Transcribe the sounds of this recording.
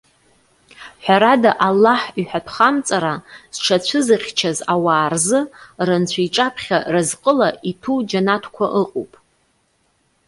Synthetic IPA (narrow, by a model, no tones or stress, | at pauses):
ħʷᶣaɾadaʔalːaħiħʷᶣatʰχamt͡sʼaɾaz̥ʈ͡ʂʰat͡ɕʷʰɨzaχʲt͡ʃʰazawaːrzɨrant͡ɕʷʰaiʈ͡ʂʼapʰχʲa̰razqʼəlaʔitʰud͡ʒanatʰkʷʰaʔɨqʼo̰pʼ